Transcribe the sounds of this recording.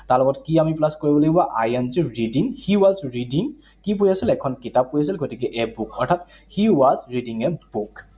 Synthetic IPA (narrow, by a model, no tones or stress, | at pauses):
taɹlɔpɔtkiamiplaskoɹibɔlojbaʔajanziɹidiŋhiwazɹidiŋ | kipojasilɛkʰɔnkitapːojas̬ilɡotikɛʔɛbukʰɔtʰat | hiwazɹidiŋɛbuk